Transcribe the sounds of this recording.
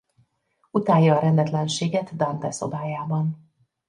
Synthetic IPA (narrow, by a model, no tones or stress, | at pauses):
ut̪aːjːɒːɾɛnd̪ɛt̪lɛnʃeːɡɛt̪d̪ɒnt̪ɛso̞̰baːjaːbɒn